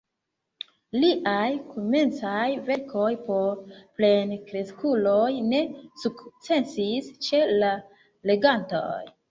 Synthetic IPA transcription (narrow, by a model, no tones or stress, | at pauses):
liʔajkʰome̞nt͡sajve̞ɾkʰo̞jpo̞ple̞nkɾe̞skulojne̞sukt͡se̞nsist͡ʃe̞la | le̞ɡanto̰j